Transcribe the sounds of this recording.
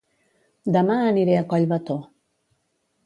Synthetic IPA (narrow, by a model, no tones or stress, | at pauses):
d̪amaːniɾeakaʎβat̪o